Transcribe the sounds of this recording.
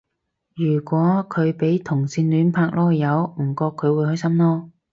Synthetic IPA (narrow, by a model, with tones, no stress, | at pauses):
jyː˨˩kʷɔː˨˥kʰɵ˨˧ɥpe˨˥jt̪ʰʊ˨˩ŋsiː˧nlyː˨˥npʰaː˧k̚lɔː˥jɐ˨˧wm̩˨˩kɔː˧kʰːɵ˨˧ɥwuː˨˧jhɵ˥ɥsɐ˥mlɔː˥